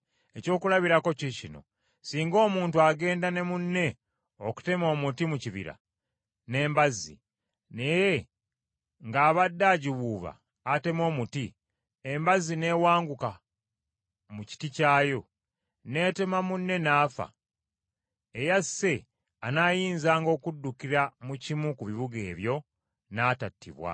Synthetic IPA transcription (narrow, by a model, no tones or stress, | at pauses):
e̞co̞ːkulaβiɾako̞cicino̞̰ | siːŋɡo̞ːmuːntuaɡe̞ːndane̞munːe̞ | oku̥te̞mo̞ːmutimuciβḭɾa̰ | ne̞ːmbazḭ | ne̞je̞ | ŋɡaːβadːaːɟiβuːβa̰ː | te̞mo̞ːmuti | embazine̞ːwaːŋɡuka | muci̥ticaːjo̞ | ne̞ːte̞mamunːe̞naːfa̰ | ejasːe̞ | anaːjiːnzaːŋɡo̞ːkudːukiɾamucimukuβiβuɡe̞ːβjo̞ | naːtatːḭβwa̰